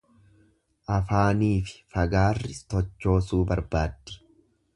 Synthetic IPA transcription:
ʔɐfaːniːfɪ̥fɐɡaːrːɪt̪ɔt͡ʃːo̞ːsuːbɐɾbaːd̪ːɪ̥

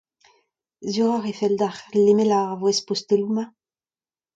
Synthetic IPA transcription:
zyʁaʁefɛld̪aχlemelaʁvwɛspost̪eluma

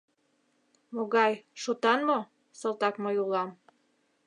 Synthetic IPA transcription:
moɣɑjʃot̪ɑnmo | sɤlˠt̪ɑkməjulˠɑm

